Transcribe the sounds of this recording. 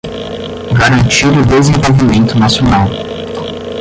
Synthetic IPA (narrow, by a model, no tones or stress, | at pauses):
ɡaɾɐ̃nt͡ʃiɾʊd̪ezẽvowvimẽnt̪ʊnasionaw